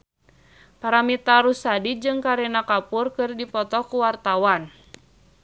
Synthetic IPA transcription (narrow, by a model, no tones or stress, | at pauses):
paɾamit̪aɾusadid͡ʒɨŋkaɾɛnakapʊrkɨrdipɔt̪ɔkuwart̪awan